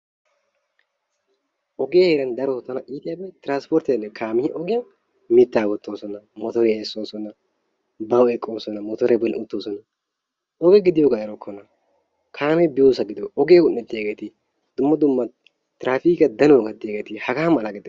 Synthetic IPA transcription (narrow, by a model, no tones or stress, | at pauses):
ʔɔɡeːheːɾɐnd̪ɐɾɔɔt̪ːɐnɐʔiːt̪ɪjabɛt̪ɪɾaːnspɔɾt̪ɛlːɛkʰaːmɪhʔɔɡɪjɐn | mɪt̪ːaːwɔt̪ːoːsɔnɐmɔt̪ɔɾɛesːoːsɔnːɐ | bɐwɛkʼːoːsɔnɐmɔt̪ɔɾɛbɔlɪ̰nʊt̪ːoːsɔnɐ | ɔɡɛɡɪd̪ɪjoɡaɛɾɔkʰːɔnɐ | kʰaːmɛbɪjoːsɐɡɪd̪oʔɔɡeːɡʊnːɛt̪ːeɡet̪ɪ | d̪̥ʊmːɐd̪ʊmːɐ | t̪ɪɾaːfiːkɐd̪ɐnɔɡɐd̪ːeːɡeːt̪ɪhɐɡaːmɐlɐɡɪd̪